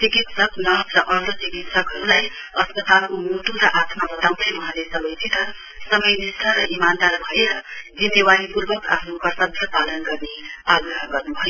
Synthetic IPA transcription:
t͡sikit̪sʌknʌsɾʌʔʌɾt̪ət͡ʃikit̪sʌkɦʌɾulaj | ʌspʌt̪alkomuʈuɾʌʔat̪ʰmabʌt̪ampʌmʌɦãlesʌbʌjt̪ʰit̪ʌ | sʌmʌjnisʈ̪ʰaɾʌʔimand̪aɾbʱʌeɾʌd͡zinːewaɾipuɾbʌka̰pʰɾukʌsʌd̪ʱjʌpalʌnɡʌrneaɡrɦʌɡʌrnubʱojo

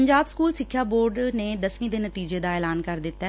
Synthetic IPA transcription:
əɲd͡ʒaːbskuːlsɪkʰːjaːboːɾɖneːd̪əsʋĩːd̪eːnət̪iːd͡ʒeːd̪aːɛːlaːnkəɾd̪ɪt̪ːɛː

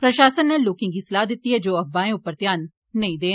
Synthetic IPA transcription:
pɾəʃaːsənːɛːlːoːkɪ̃ŋɡiːsəlaːɦd̪ɪt̪ːiːɦɛːd͡ʒoːəbːaːẽːʊpːəɾt̪jaːnː | əĩd̪eː

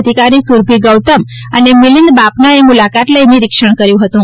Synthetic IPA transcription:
d̪ʱikaɾisuɾbʱiɡəwt̪əm | ənemilind̪bapnaemulakat̪ləjniɾɪkʃəɳkəɾjũɦət̪ũ

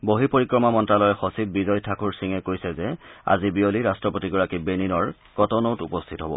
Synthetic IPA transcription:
boɦipoɹikɹɔmamɔntɹalɔjɛxɔsib̚bizɔjtʰakʰuɹsiŋɛkoɹisɛzɛa̰zibioliɹastɹɔpotiɡɔɹakibeninɔɹ | kɔtɔnowtupɔstʰitɦɔbɔ̰

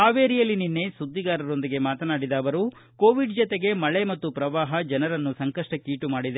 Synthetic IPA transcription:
aːʋeːɾijɐlːininːe̞sud̪ːiɡaːɾɐɾo̞nd̪iɡe̞maːt̪ɐnaːɽid̪aːʋɐɾu | ko̞ːʋiɖd͡ʒɔt̪e̞ɡe̞mɐɭe̞mɐt̪ːupɾɐʋaːɦɐd͡ʒɐnɐɾɐnːusɐŋkɐʂʈɐkiːʈumaːɽid̪e

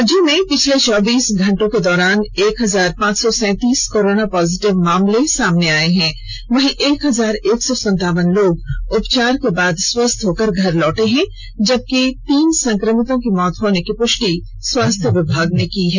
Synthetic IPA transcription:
ɐd͡ʒõmẽpɪt͡ʃʰlet͡ʃɔːbiːsɡʱɐ̃ɳʈõked̪ɔːɾaːneːkɦɐzaːɾpãːt͡ʃsɔsɛ̃ːt̪iːskoːɾoːnapɔːzɪʈɪʋmaːmlesaːmneaːeɦɛ̃ː | ʋɐɦĩʔeːkɦɐzaːɾeːksɔsɐ̃nt̪aːʋənloːɡʊpt͡ʃaːɾkebaːd̪swɐst̪ʰɦoːkəɾɡʱɐɾlɔːʈeɦɛ̃ | d͡ʒɐb̚ket̪iːnsɐ̃ŋkɾəmɪt̪õkimɔːt̪ɦoːnekipʊʃʈi | swaːst̪ʰjəʋɪbʱaːɡnekiɦɛː

